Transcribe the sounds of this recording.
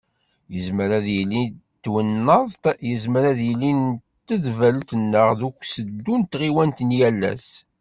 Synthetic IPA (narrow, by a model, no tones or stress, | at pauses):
jəzməɾaðjəlːint̪ːwənːəðˤjəzməɾaðjəlːint̪ːəðvəlt̪ənːəʁðukʷːsəd̪ːunt̪ːʁiwænt̪njælːæ̰s